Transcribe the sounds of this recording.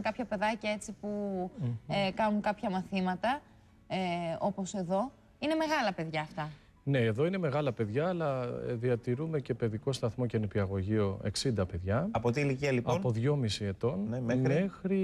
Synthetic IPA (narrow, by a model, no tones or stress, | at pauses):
kɐpçɐpe̞ðɐcɐe̞t͡sipu | kɐnuŋkɐpçɐmɐθimɐt̪ɐ | o̞po̞se̞ðo̞ | ine̞me̞ɣɐlɐpe̞ðʝɐːft̪ɐ | ne̞ːðo̞ine̞me̞ɣɐlɐpe̞ðʝɐːlɐ̰ðiɐt̪iɾume̞ce̞pe̞ðiko̞st̪ɐθmo̞cenipiɐɣo̞ʝio̞e̞̰ksind̪ɐpe̞ðʝɐɐpot̪iliciɐliɐpo̞ðʝo̞misie̞t̪o̞nnmmmexɾi